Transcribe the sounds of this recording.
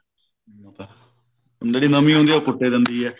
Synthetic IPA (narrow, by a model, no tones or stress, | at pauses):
mat̪a | nd̪eːɽiːnəmiːɦõːnd̪iːakʊʈːeːd̪ənd̪iːɛː